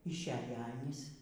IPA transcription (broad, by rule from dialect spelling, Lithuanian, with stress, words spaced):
ɪʃʲˈæːjɛ ˈɑːnʲiːs